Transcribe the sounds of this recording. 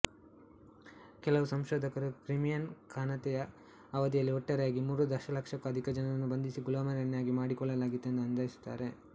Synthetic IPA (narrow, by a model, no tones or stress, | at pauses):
kɛlɐʋusɐmʃɔːd̪ʱɐkɐɾukɾimijɐnkaːnɐt̪ɛjɐː | ʋɐd̪ijɐlːiɔʈːɐɾɐjaːɡimuːɾud̪ɐɾʃɐlɐkʂɐkːɐɐd̪ʱikɐd͡ʒɐnɐɐnːubɐnd̪isiɡulaːmɐɾɐɳːjaːɡimaːɽikɔɭːɐlaːɡit̪ːeend̪uɐnd̪ɐːjisu̥t̪ːa̰ːɾe̞